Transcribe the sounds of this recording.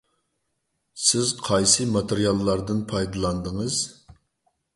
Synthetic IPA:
sɪzqʰɑjsɨmɑt̪eɾijɑlˠːɑɾd̪ɨnpʰɑjd̪ɨlˠɑnd̪əŋəz̥

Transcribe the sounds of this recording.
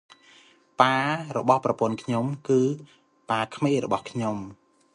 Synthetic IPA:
paːrɔɓɑhprɑpʊ̆ənkʰɲomkɨː | paːkʰmeːrɔ̰ɓɑhkʰɲom

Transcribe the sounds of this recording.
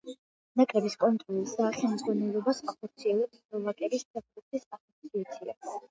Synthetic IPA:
nakʼɾɛbiskʼɔnt̪ʼɾɔlisaχɛlˠmˠd̪zʁwanɛlˠɔbasaχɔɾt̪sʰiɛlˠɛpsɔvakʼɛbispʰɛvɾɔt̪ʰisasɔt̪sʰiat̪sʰia̰

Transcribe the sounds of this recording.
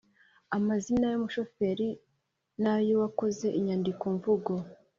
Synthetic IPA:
amazinajomuʃo̞fe̞ɾi | najowako̞ze̞ʔiɲaːndikoɱvuɡo̞

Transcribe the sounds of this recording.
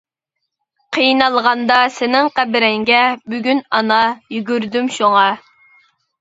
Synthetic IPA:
qʰijnɑlˠʁɑnd̪ɑsɪnɪŋqæbɪɾɛŋɡʲɛbyɡʲynɑnɑjyɡʲyɾd̪ymʃuŋɑ

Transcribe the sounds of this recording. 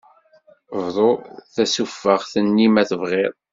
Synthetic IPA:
vðˤoθæsufːəʁθənːimæθəvʁɪðˤ

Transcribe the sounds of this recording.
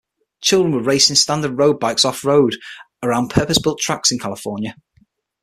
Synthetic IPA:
t͡ʃʰɪlˠdɹə̃nwəɹeɪsɪ̃nstãndədɹoʊd̚baɪksɒfɹoʊd | əɹãʊ̃npʰɜˑpəsb̥ɪlˠtʰɹ̥aksɪ̃nkʰalɪfɔːnjə

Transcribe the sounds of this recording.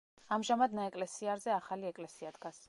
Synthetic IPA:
amʒamad̪naɛkʼlɛsiaɾzɛaχaliɛkʼlɛsiad̪ɡas

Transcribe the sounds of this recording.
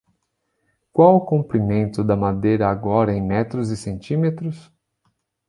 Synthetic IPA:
kwawʊkõmpɾimẽnt̪ʊd̪ɐmad̪ejɾɐːɡɔɾɐẽj̃mɛt̪ɾʊzɪsẽnt͡ʃĩmet̪ɾʊs

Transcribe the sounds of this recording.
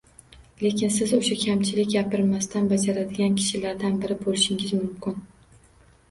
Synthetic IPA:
le̞kʲɪnsɪzoʃakʲʰamt͡ʃʰɪlɪkʲɡʲapɪɾmast̪ʰanbad͡ʒaɾad̪ɪɡʲankʲʰɪ̥ʃɪlaɾd̪anbɪɾɪbolɪʃɪŋɪzmʊmkʲɪn

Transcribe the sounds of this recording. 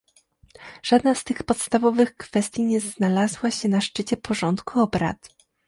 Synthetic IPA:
ʐ̥ad̪nast̪ɘxpɔt̪st̪avɔvɘxkfɛst̪ʲjiɲɛznalazwaɕɛnaʂt͡ʂɘt͡ɕɛpɔʐɔnt̪kuɔbɾa̰t̪

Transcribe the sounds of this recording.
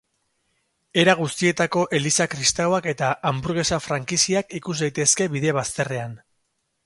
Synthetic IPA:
e̞ɾaɣ̞ust̪ie̞t̪ako̞ʔe̞lisakɾist̪awake̞t̪aʔambuɾɣe̞safɾaŋkisiakikuszd̪ajt̪e̞ske̞βiðe̞βast̪e̞re̞an

